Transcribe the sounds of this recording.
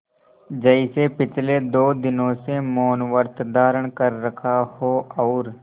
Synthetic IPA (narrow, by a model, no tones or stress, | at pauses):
d͡ʒəɪsepɪt͡ʃʰled̪oːd̪ɪnõsemoːnʋəɾt̪d̪aːɾəɽ̃kɐɾːɐkʰahoɔːɾ